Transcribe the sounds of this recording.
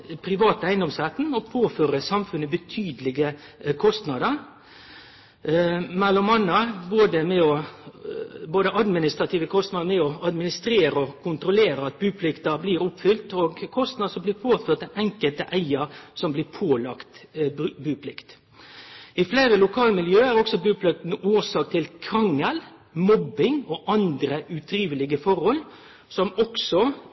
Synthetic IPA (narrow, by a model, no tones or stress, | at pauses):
pʰɾɪʋɑːt̪əæɪnd̪ɔmsʁæt̪n̩ɔpʰoːføːɾəsɑmfʉnːəbət̪ʰyːd̪əlɪɡəkʰɔst̪nɑd̪əɾ | mɛlːɔmːɑnːəboːd̪əmɛɔ | boːd̪əʔɑd̪mɪnɪst̪ɾɑt̪ʰiːʋəkʰɔst̪nɑd̪əɾmɛɔɑd̪mɪnɪst̪ɾeːɾəɔkʰʊnt̪ɾʊleːɾəɑt̪̚bʉːpʰlɪkt̪əbliːɾʊpfʏlt̪oːɡkʰɔst̪nɑd̪sɔmblɪːpʰoːt̪føʁt̪əʔɛŋkəlt̪əʔæɪəɾsɔmblɪːpʰoːlɑkt̪ːbʉːpʰlɪkt̪ | ɪflæɪɾəlʊkʰɑːləmɪljøːæʁɔksɔbʉːpʰlɪk̚t̪nuːɾsɑːk̚t̪ʰɪlkʰɑŋːɑlmɔbːɪŋɔʔɑnd̪ɾəʉt̪ʰɾiːʋəlɪɡəfɔɾhɔl | sɔmɔksɔ